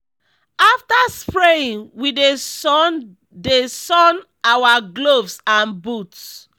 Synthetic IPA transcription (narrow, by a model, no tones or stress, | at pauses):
aftaspɹeĩŋwiden | desɔ̃n | awaɡlovsãnbuts